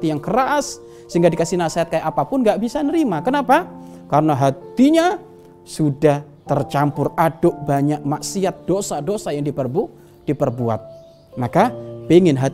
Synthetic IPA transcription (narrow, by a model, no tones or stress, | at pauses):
t̪ijaŋkəɾasː | əhiŋɡadikasihnasiat̪̚kajaʔapapʊnŋɡaʔbisanəɾimakənapakaɾənaɦat̪iɲa | sudah | t̪ərt͡ʃampʊradʊʔbaɲak̚maʔsiat̪̚d̥osadosajaŋdipərbu | d̥ipərbua̰t̪̚ | makapiŋɪnɦa